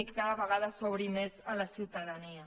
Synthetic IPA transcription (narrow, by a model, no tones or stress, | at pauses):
ikkaðəβəɣaðəsoβɾimezələsiwt̪aðania